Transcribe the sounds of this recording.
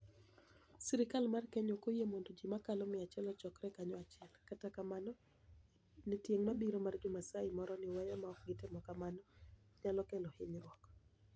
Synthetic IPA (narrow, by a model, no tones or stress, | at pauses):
siɾɪkalmarkɛɲokojemondod͡ʒimakalɔmɪat͡ʃɛlɔt͡ʃɔkɾɛkaɲɔat͡ʃɪɛlkatakamanɔ | nitjeŋmabiɾomard͡ʒʊmasaɪmɔɾɔnɪwajɔmaɔk̚ɡɪtɪmɔkamanɔ | ɲalɔkɛlɔhɪɲɾwɔk